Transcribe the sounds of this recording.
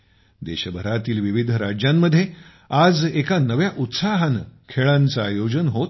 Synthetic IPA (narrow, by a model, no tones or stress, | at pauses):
d̪eɕəbʱəɾat̪iːlʋiʋid̪ʱəɾad͡ʑjamːəd̪ʱːje | ad͡zekanəʋjaʔut̪saɦankʰeɭãnt͡sajod͡ʑənɦot̪